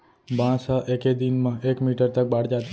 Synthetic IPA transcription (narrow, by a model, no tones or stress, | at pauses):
bãsaʔeked̪inmãʔekmiʈəɾt̪ək̚baɽd͡ʒat̪